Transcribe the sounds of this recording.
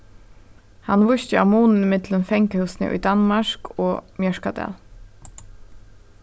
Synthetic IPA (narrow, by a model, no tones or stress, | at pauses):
hanːʋʊʃt̪ɪa̰wmuːnnɪmɪt̪lənfɛŋkəhʉwsnɪ̰ʔʊ̰jd̪anmaɹkʰɔːmjœʃkad̪ɛ̰ːl